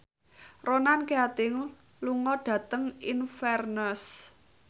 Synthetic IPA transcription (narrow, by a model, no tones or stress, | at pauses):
ronankeat̪ɪŋ | luŋɔɖ̥ä̤t̪əŋinfɛrnəs